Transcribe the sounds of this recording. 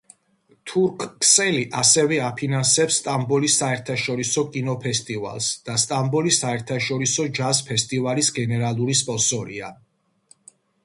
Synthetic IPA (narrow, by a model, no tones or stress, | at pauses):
t̪ʰuɾkʰksɛliʔasɛvɛapʰinansɛpsːt̪ʼambɔlisaɛɾt̪ʰaʃɔɾisɔkʼinɔpʰɛst̪ʼiva̰lˠsd̪̥ast̪ʼambɔlisaɛɾt̪ʰaʃɔɾisɔd͡ʒazpʰɛst̪ʼivalisɡɛnɛɾalˠuɾispʼɔsɔɾḭa